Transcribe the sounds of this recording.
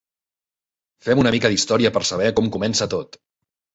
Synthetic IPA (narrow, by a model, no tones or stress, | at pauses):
fɛmunəmikəðist̪ɔɾiəpəɾsəβ̞ɛkɔmkumɛnsət̪ot̪